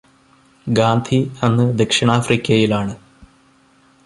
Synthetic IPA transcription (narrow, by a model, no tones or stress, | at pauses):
ɡaːnd̪ʱʰiɐnːɨd̪ekʂɐɳaːfrikʲːɐjilaːɳɨ